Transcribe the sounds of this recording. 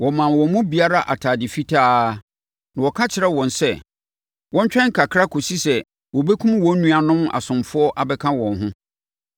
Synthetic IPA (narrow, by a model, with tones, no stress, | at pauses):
wɔ˨mã˨wɔ̃˨mʊ̃˦bi˨a˦ɾa˦ʔa˨tʰaː˨dɪ˨fi˦tʰaː˦ | nã˨wɔ˨kʰa˦t͡ɕʰɪ˨ɾɛ˦wɔ̃˨nsɛ˦˨ | wɔ̃˦ɲ˦t͡ɕᶣɛ̃˦ŋ̩˦kʰa˨kʰɾa˦kʰo˨si˦sɛ˨ | wɔ˨bɛ˦kʰũ˦mwɔ̃˦nũ˦a˨nʊ̃˦ma̰˨sʊ̃˨mfʊ˦ɔ˦ʔa˨bɛ˦kʰã˦wɔ̃˨nɦʊ̃˦